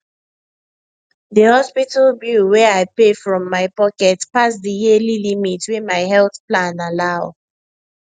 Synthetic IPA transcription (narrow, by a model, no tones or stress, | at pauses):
ðəhɔspitəlbjuwɛaɪpefɹɔ̃mːaɪpɔkɛtpasdəjililimitwimaɪɦɛlˠθplãnalaʊ